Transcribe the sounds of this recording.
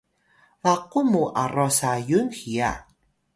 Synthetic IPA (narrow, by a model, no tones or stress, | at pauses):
vaqumuʔarɔsajunxia̰